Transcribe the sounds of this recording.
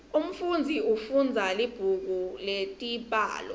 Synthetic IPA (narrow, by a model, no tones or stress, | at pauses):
um̩fund͡zʱiufund͡zʱalib̥ʱuk̬uletʼipʼa̰ːlɔ̰